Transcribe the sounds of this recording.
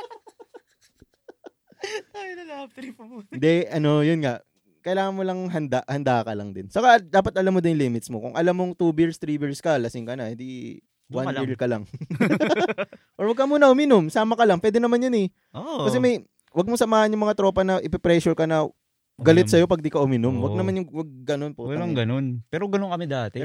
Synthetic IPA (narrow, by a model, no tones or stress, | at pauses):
ajnɐlaɐp̚t̪ɾipnd̪ɛʔɐno̞jʊnŋaʔ | kɐjɪlaːŋɐnmolɐŋɦɐnd̪aʔhɐnd̪aːkɐlɐ̰ŋd̪ɪnt͡ʃɐkad̪aːpɐt̪ʔɐlamːod̪ɪnjŋliːmɪt̪smo̰kʊ̰ŋʔɐlamːoŋt̪ubɪɹst̪ɾiːbɪɹskɐlɐsɪŋkɐnɐhɛnd̪i | wanɪɹd̪̚kɐlɐŋ | ʔoɹwɐɡ̚kɐmuːnɐʔʊmɪnomsaːmɐkɐlɐŋpwɛːd̪ɛnɐmanjʊnɛ | kɐsɛmɐj | wɐɡ̚mosɐmaːhɐnjʊŋmɐŋat̪ɾo̞ːpɐnɐʔɪpɛpɾɛʃʊɹkɐnɐ | ɡɐlɪt̪sɐjo̞pɐɡ̚d̪ikɐʔʊmɪnomwɐɡ̚nɐmanjʊŋwɐɡ̚ɡɐnonpoɐŋɡɐnonpɛːɾoɡɐnonkɐmɪd̪aːt̪ɛ